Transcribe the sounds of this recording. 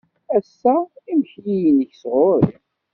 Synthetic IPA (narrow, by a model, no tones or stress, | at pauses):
æsːæimçjijənəçsʁoɾ